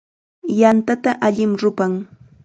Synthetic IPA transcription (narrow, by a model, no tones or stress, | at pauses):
jant̪at̪aʔaʎɪmɾʊpaŋ